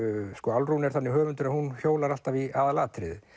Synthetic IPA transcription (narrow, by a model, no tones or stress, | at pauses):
skɔalrunɛɾ̥θanːɪɦœːvʏnt̪ʏɾahunçjoːwlaɾal̥t̪aviaðalaːt̪ɾɪ̰ð